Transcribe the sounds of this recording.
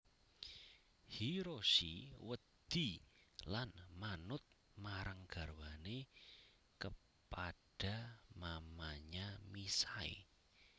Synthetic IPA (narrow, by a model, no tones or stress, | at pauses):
hiɾoʃḭwəd̪̥ilanmanʊt̪̚ | maɾaŋɡ̥arwane | kə | pad̥a̤mamaɲamisaḛ